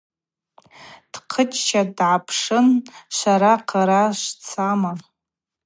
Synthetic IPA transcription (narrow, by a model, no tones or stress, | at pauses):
d̥qʰət͡ʃt͡ʃʰadʕapʰʂɨnʃʷaɾaqʰaɾaʃʷt͡sʰama